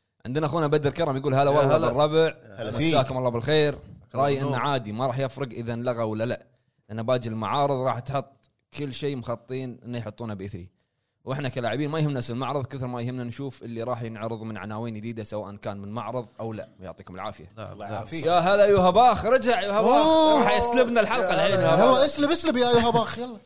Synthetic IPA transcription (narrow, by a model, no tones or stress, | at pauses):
ʕɪnd̪ɪnaʔaxuːnabad̪ɪɾkɑɾˤɑmjɡuːlɦaðawalhaarˤːɑbɪʕaaːkʊmɑlˤːɑːbɪlxeːɾɾˤɑːjʔɪnːaʕaːd̪imaɾˤɑːħjɪfɾɨɡʔəðanlaɣawɪlːalaʔ | ʔɪnːabaːd͡ʒɪllmaʕɑːɾɨðˤɾˤɑːħt̪ħʊt̪ˤ | kʰɪlːʃeːmʊxɑt̪ˤːiːnʔɪnːajħʊt̪ˤːuːnabʔɪθɾḭ | wʔɪħnakalaːʕɪbiːnmajhɪmnasɪlmaʕɾˤɨðˤkɪθɾmajhɪmnanʃuːfʔɪlːiɾˤɑːħjɪnʕɾɨðˤmɪnʕa̰naːwiːnjd̪iːd̪asawaːʔankaːnmɪnmaʕɾɨðˤʔawla̰jʊ̰ʕt̪iːkʊmbɪlʕa̰ːfɪja̰ | jaɦaːðaʔajːuɦabaːxɾˤɑd͡ʒaʕjuhabaːɾɑːħjɪslɪbnalħɑlqɑlʕeːljɑlːɑʔɪslɪbɪslɪbjajuhabaːxjɑlː